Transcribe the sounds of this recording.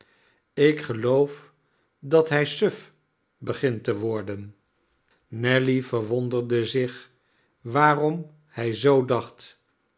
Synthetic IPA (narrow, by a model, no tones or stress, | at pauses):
ɪkχəlowf | dɑtɦɛjsøf | bəχɪntəʋɔɹdən | nɛlivəɹʋɔndəɹdəzɪχ | ʋaːrɔm | hɛjzowdɑχt